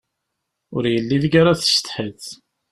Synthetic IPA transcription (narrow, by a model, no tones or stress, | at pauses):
ʊɾjəlːiðɡaɾaθə̥ʃt̪ħəθ